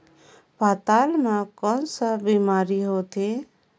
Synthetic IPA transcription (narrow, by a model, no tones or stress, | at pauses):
pat̪almãkɔnsəbimaːɾiɦot̪e